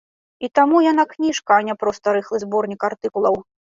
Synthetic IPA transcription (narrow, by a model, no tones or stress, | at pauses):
it̪amujanaknʲiʂkɐːnʲɛpɾɔst̪ɐɾɨxlˠɨzbɔrnʲikart̪ɨkulˠɐw